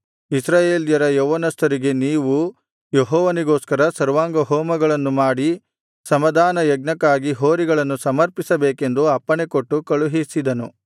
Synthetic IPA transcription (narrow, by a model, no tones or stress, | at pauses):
isɾaːjeːljɐɾɐjɔʋɐnɐst̪ʰɐɾiɡe̞niːʋu | jeɦɔːʋɐniɡoːskɐɾɐsɐɾʋaːŋɡɐɦɔːmɐɡɐɭɐnːumaːɽi | sɐmɐd̪ʱaːnɐjɐɡ̚nɐkːaːɡiɦoːɾiɡɐɭɐnːusɐmɐɾpisɐbeːke̞nd̪uɐpːɐɳekoʈːukɐɭuɦisid̪ɐnu